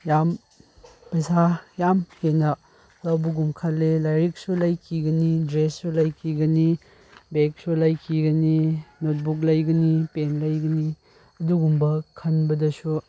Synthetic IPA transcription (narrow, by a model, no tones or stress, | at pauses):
jam | pɐjsajamhenɐ | ɾawbuɡumkʰɐlːelajɾik̚sulɐjkʰiɡɐnidɾesːulɐjkʰiɡɐni | bek̚sulɐjkʰiɡɐninot̚buk̚lɐjɡɐnipenlɐjɡɐni | ɐduɡumbɐkʰɐnbɐdɐsu